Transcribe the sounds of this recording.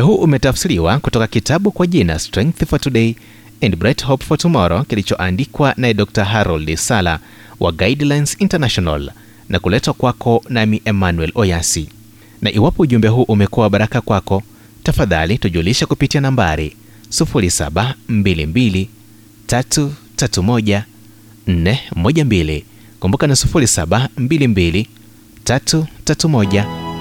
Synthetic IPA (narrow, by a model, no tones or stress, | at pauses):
uɛɦuʔumɛtafsiɾiwakutɔkakitaɓukwaʄina̰stɾɛ̃ŋk̚θfɔtuɗɛi | ɛndbɾɛthɔpfɔtumɔɾɔkilit͡ʃɔʔandikwanaɛɗɔk̚taɦaɾɔldisala̰ | wʔa̰ɡaidlajnsintanaʃɔna̰l | nʔakulɛtakwakʰɔnamiʔɛmanwɛlɔjasi | naʔiwapɔuʄumbɛɦuʔumɛkuwaɓaɾakakwakɔ | tafaðalituʄuliʃakupitianambaɾi | sufuɾisa̰ɓam̩bilimbili | tatutatumɔʄa | n̩nɛmmɔʄambili | kumbukanasu̥fuɾisaɓambilimbili | tatutatumɔʄa